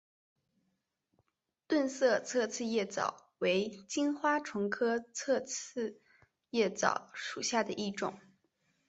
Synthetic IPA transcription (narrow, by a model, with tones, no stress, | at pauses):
t̪wə˥˧nsɤ˥˧t͡sʰɤ˥˧t͡sʰɹ̩˥˧jɛ˥˩t͡sɑ̰˨˩˦ʊ | we˧˥ɪt͡ɕi˥nxwa˥ʈ͡ʂʰʊ˧˥ŋkʰɤ˥t͡sʰɤ˥˧t͡sʰɹ̩˥˧ | jɛ˥˩t͡sɑ̰˨˩ʊʂu˨˩ɕja˥˩d̪ə˩ʔi˥˩ʈ͡ʂʊ̰˨˩˦ŋ